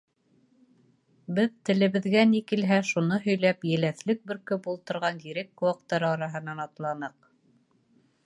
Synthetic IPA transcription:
bɘðt̪ɘ̆lɘ̆βɘ̆ðɡænikilɦæʃunɤɦɵ̆jlæpjɘ̆læθlɘk̚bɘ̆ɾkɵpulˠt̪ɤ̆ɾʁɑnɡiɾɘkːɵwɑqt̪ːɑɾɤɑɾɑɦɤ̆nɑnɑt̪lˠɑnɤq

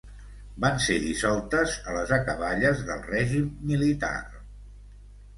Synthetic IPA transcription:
banseðisɔlˠt̪əzələzəkəβaʎəzðə̰lˠrɛʒimːilit̪a̰r

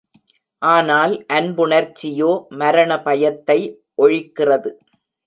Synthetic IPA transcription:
ʔaːnaːlʔɐnbʊɳɐɾt͡ʃːɪjoːmɐɾɐɳɐpɐjɐt̪ːɐɪ | ʔɔɻɪkːɪrɐðɯ

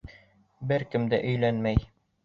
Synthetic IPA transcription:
bɘɾkɘ̆md̪æ̰ʔɵ̆jlænmæj

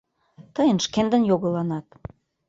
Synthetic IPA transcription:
t̪əjənʃkend̪ə̆njoɣə̆lɑnɑt̪̚

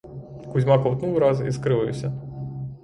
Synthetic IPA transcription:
kuzʲmɑkɔwt̪nuwɾɑzḭskɾɪʋɪjʊ̰sʲɐ

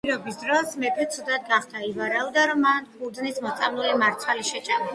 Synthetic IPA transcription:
iɾɔbisd̪ɾɔsmɛk̪ɛt̪sʰud̪at̪̚ɡaχd̪aivaɾaɔd̪aɾɔmːanbud̪znismɔt̪sʼamlˠulimaɾt̪sʰwaliʃɛt͡ʃʼanɔ

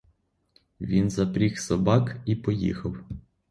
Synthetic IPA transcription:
ʋʲinzɐpɾʲixsɔbɑkipɔjḭxɐw

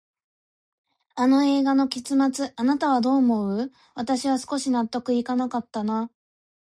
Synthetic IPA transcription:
ano̞e̞ːɡano̞kʲet͡sɨmat͡sɨanat̪aβ̞ad̪o̞ːmo̞ɯ̟ | βat̪aɕiβasɨ̥ko̞ɕinat̪ːo̞kɯ̟ikanakat̪ːana

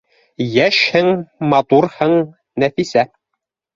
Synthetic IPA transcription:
jæʃhɘŋmɑt̪uɾhɤɴ | næfisæ

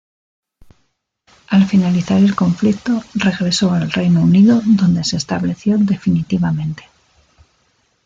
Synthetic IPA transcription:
alfinaliθaɾe̞lko̞ɱflik̚t̪o̞re̞ɣɾe̞so̞alre̞jnouniðoðo̞nd̪e̞se̞ːst̪aβle̞θjo̞ðe̞finit̪iβamẽ̞nt̪e̞̥

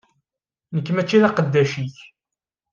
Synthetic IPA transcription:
nəkːmæt͡ʃːiðɑqəd̪ːæʃiç

